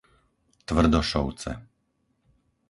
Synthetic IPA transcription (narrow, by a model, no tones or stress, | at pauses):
t̪vr̩d̪ɔʃɔwt̪t͡sɛ̰